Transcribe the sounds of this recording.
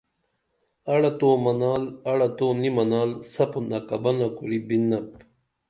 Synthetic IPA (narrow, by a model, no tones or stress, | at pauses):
ɐɽɐt̪oːmɐnaːlɐɽɐt̪oːnimɐnaːlsɐpunɐkɐbɐnɐkuɾibinːɐp̚